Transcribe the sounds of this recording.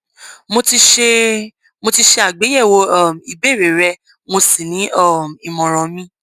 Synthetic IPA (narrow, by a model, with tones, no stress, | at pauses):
mo˧ti˧ʃe˧ | mo˧ti˧ʃe˧a˨ɡ͡be˨˦jɛ˦˨wo˧ɔ˦˨m˨i˨be˦˨ɾe˨ɾɛ˧ | mo˧si˦˨nĩ˨˦ʔɔ˦˨m˨i˨mɔ̃˨ɾ̃ɔ̃˨mĩ˧˦